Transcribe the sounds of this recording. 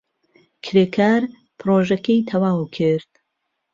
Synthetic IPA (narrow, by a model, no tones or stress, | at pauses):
kʰɾekʰaːɾ | pʰɾoːʒɐkejt̪ʰɐwaːwkʰɨɾd̪